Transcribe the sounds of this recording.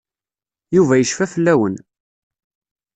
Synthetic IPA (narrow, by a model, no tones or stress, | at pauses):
juvæjəʃfæfəlːæwən